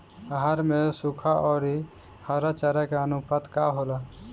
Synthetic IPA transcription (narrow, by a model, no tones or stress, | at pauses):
ɦaɾmesukʰaʔɔːɾi | həɾat͡ʃəɾakeənupət̪kaɦoːla